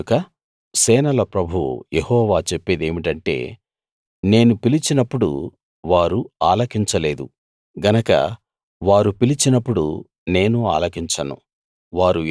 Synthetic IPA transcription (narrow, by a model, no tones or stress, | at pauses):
kɐ | sɛːnɐlɐpɾɐbʱujehɔːʋaːt͡ʃepːed̪e̞ːmiʈɐɳʈe̞̰ː | ne̞ːnupilit͡ʃinɐpːuɽṵ | ʋaːɾuaːlɐkiɲt͡ʃɐle̞ːd̪u | ɡɐnɐkɐ̰ | ʋaːɾupilit͡ʃinɐpːuɽṵ | ne̞ːnua̰ːlɐkiɲt͡ʃɐnṵ | ʋaːɾu